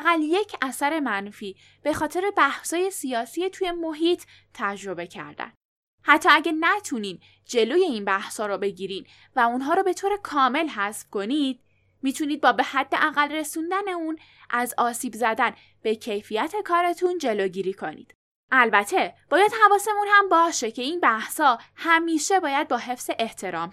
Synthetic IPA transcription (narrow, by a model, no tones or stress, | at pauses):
æɣælje̞cʰæsæɾe̞mænfiː | b̥e̞xɒːt̪ʰe̞ɾe̞bæhsɒːje̞siɒːsijet̪ʰuje̞moɦiːt̪ʰː | æd͡ʒɾo̞be̞cʰæ̰ɾd̪æ̰n | hæt̪ʰːɒːæɟænæt̪ʰuniːd̪ | d͡ʒe̞loːje̞iːnbæhsɒːɾɔbe̞ɟiːɾiːd̪ | væunɦɒːɾɔbe̞t̪ʰoːɾe̞kʰɒːme̞lɦæsfko̞nid̪̥̚ | miːt̪ʰuniːd̪̚bɒːbe̞hæd̪̥ːeʔæɣælre̞sund̪æneun | ʔæzɒːsiːbzæd̪æn | b̥ecʰe̞jfijæt̪ʰe̞kʰɒːɾe̞t̪ʰund͡ʒe̞loːɟiːɾiːkʰo̞nḭːd̪̥ | ʔælbæt̪ʰe̞b̥ɒːjæd̪̥hævɒːse̞munhæmbɒːʃe̞cʰe̞inbæhsɒːhæmiːʃe̞bɒːjæd̪̚bɒːɦe̞fz̥e̞ʔeht̪ʰe̞ɾɒːm